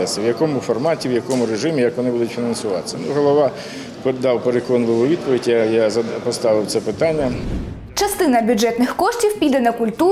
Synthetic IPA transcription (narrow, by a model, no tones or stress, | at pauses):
ɛsɪwjɐkɔmʊfɔrmɑtʲiwjɐkɔmʊɾeʒɪmʲijɐkʋɔnɪbud̪ʊtʲfʲinɐnsʊʋɑt̪sʲɐnuɦɔlˠɔʋɑ | pd̪ɑwpeɾekɔnʋˠɪʋˠʊʋʲid̪̚pɔʋʲidʲajazɐpɔst̪ɑʋɪwt̪sɛpɪt̪ɑnʲːɐ | t͡ʃɐst̪ɪnɐbʲjʊd͡ʒɛt̪nɪxkɔʂtʲiwpʲid̪ɛnɐkʊlʲt̪u